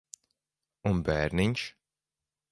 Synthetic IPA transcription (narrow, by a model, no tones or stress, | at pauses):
unbæːɾniɲʃ